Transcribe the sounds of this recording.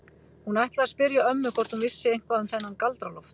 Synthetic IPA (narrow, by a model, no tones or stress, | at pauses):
hunajht̪laaspɪɾjaœmːʏkʰɔɾ̥t̪hunvɪsːɪejŋ̥kvaðʏmθɛnːankalt̪ɾalɔft̪